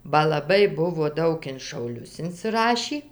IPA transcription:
bɐ lˠɐˈbɐɪ ˈbʊʋoː ˈdɐʊk ɪn ʃɐʊˈlʲʊs ɪnʲsʲɪˈrɑːʃʲiː

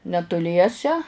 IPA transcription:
nʲɛtʊˈlʲiɛsʲɛ

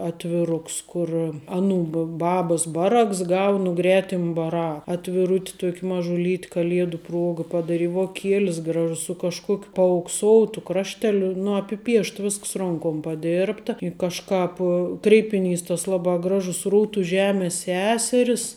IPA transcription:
ɐtʲʋʲɪˈrʊks ˈkʊr ˈɑːˌnuː bɐ ˈbɑːbɐs ˈbɑːˌrɐks ˈɡɐʊ nʊ ˈɡrʲæːtʲɪm bɐˈrɐ ɐtʲʋʲɪˈrʊtʲ ˈtuɔkʲ mɐʒʊˈlʲiːtʲ kɐˈlʲiɛdʊ ˈpruɔɡɐ pɐdɐˈrʲɪ ʋoːˈkʲiɛlʲɪs ˈɡrɑːʒʊs sʊ kɐʃˈkuɔkʲʊ pɐɐʊkˈsoːʊtʊ ˈkrɑːʃʲtʲɛlʲʊ nʊ ɐpʲɪˈpʲiɛʃt ˈʋʲɪsks ˈroːŋkoːm pɐˈdʲeːrptɐ ɪ kɐʃˈkɑːp krʲɛɪpʲɪˈnʲiːs tɐs ˈlˠɑːbɑː ˈɡrɑːʒʊs ˈruːtʊ ˈʒʲæːmʲeːs ˈsʲæːsʲɛrʲɪs

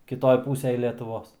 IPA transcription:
kʲɪˈtoːj ˈpuːsʲɛj lʲiɛtʊˈʋoːs

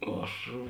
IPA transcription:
ˈɐʃ

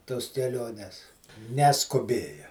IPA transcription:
toːs kʲɛˈlʲoːnʲɛs nʲɛskʊˈbʲeːjɛ

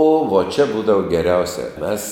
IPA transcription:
oː ʋoː t͡ʃʲɛ ˈbuːdɐʋoː ɡʲɛˈrʲɛʊsʲɛ ˈmʲɛs

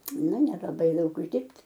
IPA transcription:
nʊ nʲɛrɐˈdɐɪ ˈdɐʊk ʊʒʲˈdʲɪrʲpʲtʲ

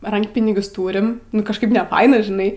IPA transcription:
ˈrɐŋkpʲɪnʲɪɡʲʊs ˈtuːrʲɪm nʊ kɐʃˈkɐɪp nʲɛˈfɐɪnɐ ʒʲɪˈnɐɪ

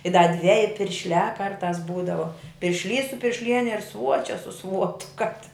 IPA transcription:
ɪ dɐ ˈdʲʋʲæːjɪ pʲɪrʲʃʲˈlʲæː ˈkɐrtɑːs ˈbuːdɐʋoː pʲɪrʲʃʲˈlʲiːs sʊ pʲɪrʲʃʲˈlʲiɛnʲɛ ɪr ˈsʋuɔt͡ʃʲɛ sʊ ˈsʋuɔtʊ kɐp tʲɪ

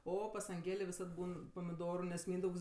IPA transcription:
ˈoː pɐs ɐŋʲˈɡʲeːlʲeː ʋʲɪˈsɐt ˈbuːn pɐmʲɪˈdoːrʊ nʲɛs ˈmʲiːndɐʊks

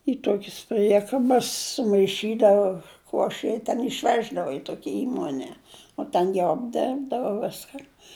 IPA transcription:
ɪ ˈtuɔkʲɪs ˈpʲrʲiɛkɐbɐs sʊmɐɪˈʃʲiːdɐʋɐ ˈkuɔʃʲɛ ɪ tʲɛn ɪʃʲˈʋʲæːʒdɐʋɐ ɪ ˈtuɔkʲɛ ˈiːmoːnʲɛ oː ˈtʲɛn jɛʊ ɐbʲˈdʲɛrbdɐʋɐ ˈʋʲɪskɐn

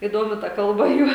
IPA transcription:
iːˈdoːmʲɪ tɐ ˈkɐlˠbɐ ˈjuː

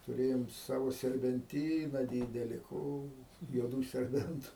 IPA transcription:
tʊˈrʲeːjoːm ˈsɑːʋoː sʲɛrʲbʲɛnʲˈtʲiːnɐ ˈdʲiːdʲɛlʲɪ ˈkoː juɔˈduː sʲɛrʲˈbʲɛntʊ

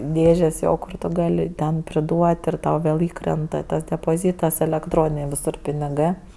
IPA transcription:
ˈdʲeːʒʲeːs ˈjoː ˈkʊr tʊ ˈɡɑːlʲɪ tʲɛn pʲrʲɪˈduɔtʲ ɪr ˈtɐʊ ʋʲeːlˠ ˈiːkrʲɛntɐ tɐs dʲɛpoːˈzʲiːtɐs ɛlʲɛkˈtroːnʲɪnʲeː ʋʲɪˈsʊr pʲɪnʲɪˈɡɜ

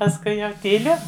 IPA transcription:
pɐsˈkʊɪ jɛʊ tʲiːˈlʲʊ

